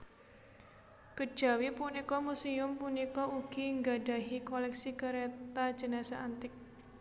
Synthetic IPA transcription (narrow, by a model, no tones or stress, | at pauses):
kəd̥ʒ̥a̤wipunikɔmusiʊmpunikɔuɡ̥iŋɡaɖaɦikɔlɛksikəɾet̪ḁd͡ʒ̥ənasaʔant̪ɪk̚